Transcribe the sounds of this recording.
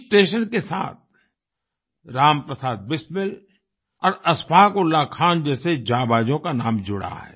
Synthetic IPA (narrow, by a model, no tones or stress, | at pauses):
sʈeːʃənkesa̰ːt̪̚ | ɾaːmpɾəsaːd̪̚bɪsmɪl | ɔːɾɐspʰaːkolːaːkʰaːnd͡ʒɛːsed͡ʒaːbaːd͡ʒõkanaːmd͡ʒʊɽa̰ɦɛ̰ː